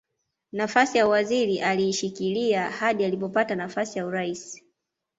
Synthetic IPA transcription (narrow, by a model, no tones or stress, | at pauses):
nafasijawaziɾiʔaliːʃikiliahaɗialipɔpatanafasijauɾaisi̥